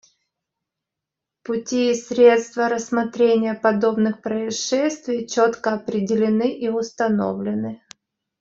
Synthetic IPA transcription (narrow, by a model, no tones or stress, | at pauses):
pʊtʲisʲɾʲe̞t̪st̪vəɾəsmɐt̪ɾʲenʲɪjəpɐd̪o̞bnɨxpɾəɪʂɛsʲt̪vʲɪjt͡ɕot̪kəɐpɾʲɪdʲɪlʲɪnɨʔiʊst̪ɐno̞̰vlʲɪnɨ